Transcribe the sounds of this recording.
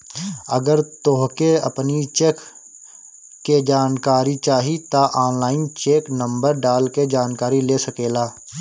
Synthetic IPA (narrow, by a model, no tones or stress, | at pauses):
əɡəɾt̪oɦkeɐ̰pnit͡ʃeːk | ed͡ʒaːnkaːɾit͡ʃaːɦit̪aʔaːnlaːɪnt͡ʃeːknə̃mbəɾɖaːlked͡ʒaːnkaːɾileːsəkeːlaː